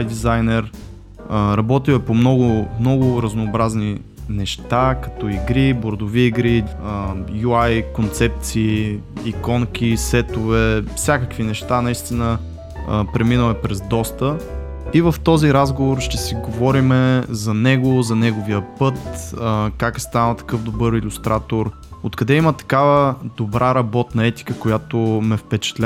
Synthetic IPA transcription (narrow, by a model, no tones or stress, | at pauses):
jd̪izajnɛɾ | əɾɐbɔt̪imɛpomnɔɡʊmnɔɡʊɾəznoːbɾazni | nɛʃt̪akɐ̥t̪ɔiɡɾiboɾd̪oviːɡɾiəjuajkont̪sɛp̚t̪siːikɔŋkʲisɛt̪ovɛfsʲjakəkvinɛʃt̪anɐist̪inə | əpɾɛminəmɛpɾɛzd̪ɔst̪ə | ivəft̪ɔziɾazɡovoɾʃt̪ɛsiɡovɔɾimɛzɐnɛɡʊzɐnɛɡoviəpɤt̪əkakst̪anət̪ɐ̥kɤfd̪obɤɾilʲʊst̪ɾʔat̪oɾ | ot̪kɐd̪ɛimət̪ɐ̥kavəd̪obɾʔaɾɐbɔt̪nɐɛt̪i̥kəkojat̪omɛfpɛt͡ʃɛ̥t̪lʲ